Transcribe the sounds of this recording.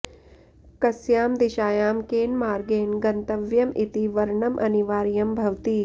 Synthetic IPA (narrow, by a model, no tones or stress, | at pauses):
kɐsjaːmd̪iʃaːjaːmkeːnmaːɾɡeːnɡɐnt̪ɐʋjɐmit̪iʋɐɾɳɐmʔɐ̰niʋaːɾjɐmbʱɐʋt̪iː